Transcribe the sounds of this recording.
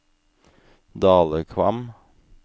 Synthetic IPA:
d̪ɑːləkʰʋɑ̰m

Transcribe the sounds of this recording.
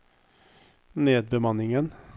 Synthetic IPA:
neːd̪̚bəmɑnɪŋən

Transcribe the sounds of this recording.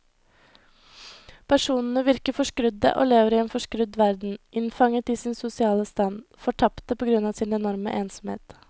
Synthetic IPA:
pʰæʂuːnn̩əʋɪɾkəfɔʂkɾʏd̪ə̰ʔo̰ːleːʋəɾiːeːnfɔʂkɾʉd̪ʋæɾd̪n̩ʔɪnfɑŋət̪iːsɪnsʊsɪɑːləst̪ɑn | fɔʈʰɑpt̪əpɔːɡɾʉnɑːʋsɪːnɛnɔɾmə̰ʔeːnsɔm̩hḛːt̪

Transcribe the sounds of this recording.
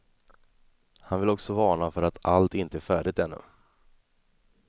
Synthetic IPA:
hanvɪlɔksɔvɑːɳafœɾat̪ʰalt̪ɪnt̪əæːɾfæːɖɪt̪hɛnːɵ̰

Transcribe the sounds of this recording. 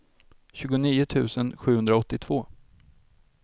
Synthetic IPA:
ɕʉ̟ːɡʊniːʊt̪ʰʉ̟̰ːsənɧʉ̟hɵnd̪ɾaɔt̪ːɪt̪ʰv̥oː

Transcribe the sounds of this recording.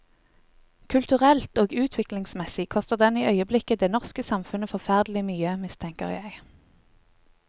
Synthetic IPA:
kʰʉlt̪ʉʁɛlt̪oːɡʉːt̪ʰʋɪklɪŋsmɛsɪkʰɔst̪əʁd̪ɛniːœʏəblɪkəd̪eːnɔʁskəsɑmfʉnəfɔʁfæʁd̪lɪmyːəmɪst̪ʰɛŋkə̰ʁjæɪ

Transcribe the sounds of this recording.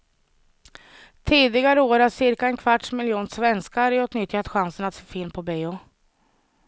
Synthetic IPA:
t̪ʰiːd̪ɪɡaɾəoːɾasɪɾkaɛnkʰvaʈʂmɪljuːnʂvɛnskaɾʉ̟ːt̪nʏt̪ːjat̪ɧansənat̪foːfɪlmpʰɔbeːʊ

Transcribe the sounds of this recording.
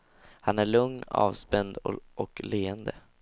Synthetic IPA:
hanæɭɵŋnɑ̰ːvspɛnd̪ʔɔkleːənd̪ə

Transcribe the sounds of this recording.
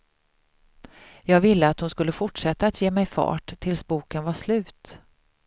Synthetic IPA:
jɑːɡvɪlːəat̪hʊnskɵlːəfʊʈʂɛt̪ːaːt̪jeːmɛjfɑ̰ːʈʰːɪlsbuːkənvaʂlʉ̟ːt̪

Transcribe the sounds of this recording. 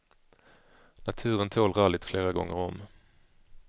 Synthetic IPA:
nat̪ʰʉ̟ːɾənt̪ʰoːlʁɑːɭɪt̪fleːɾaɡɔ̰ŋːəɾɔm

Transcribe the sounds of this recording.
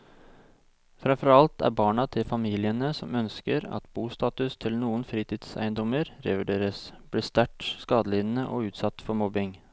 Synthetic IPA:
fɾɛmfɔɾɑlt̪æ̰ɾbɑːɳɑt̪ʰɪlfɑmiːlɪənəsɔmœnskəɾɑ̰t̪buːst̪ɑːt̪ʉst̪ʰɪlnuːənfɾiːt̪ʰiːd̪sæ̰ɪənd̪ɔməɾɾɛʋɪɖeːɾəsb̥liːst̪æʈskɑːd̪əlɪnn̩əʔɔ̰ʉːt̪sɑt̪ːfɔɾmɔbɪŋ

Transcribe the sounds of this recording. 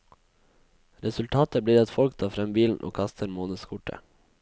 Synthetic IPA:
ɾɛsʉlt̪ʰɑːt̪əbliːɑt̪fɔlkt̪ʰɑːfɾɛmbiːln̩ʔo̰ːkʰɑst̪ʰəɾmoːnəskʰʊʈə̰

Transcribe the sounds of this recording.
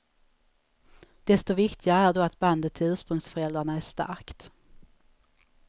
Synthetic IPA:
d̪̥ɛst̪ɔvɪkt̪ʰɪɡaæɖɔat̪band̪ət̪ʰːɪlʉːʂpɾɵŋsfœɾɛld̪ɾaɳaæʂt̪a̰ɾkt̪

